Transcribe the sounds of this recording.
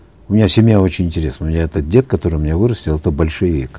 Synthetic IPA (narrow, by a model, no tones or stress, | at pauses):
ʊmʲɪnʲasʲɪmʲjao̞t͡ɕɪnʲɪnʲtʲɪɾʲe̞snəʊmʲɪnʲaɛt̪ət̪̚dʲe̞t̪̚kɐt̪o̞ɾɨjmʲɪnʲavɨɾəsʲtʲɪlˠt̪obɐlʲʂɨvʲḭk